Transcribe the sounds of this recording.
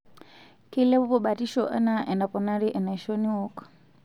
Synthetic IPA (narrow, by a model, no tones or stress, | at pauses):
kilɛβupɔɓatiʃɔʔɛ̰naʔɛnapɔnaɾiʔɛnaiʃɔniɔk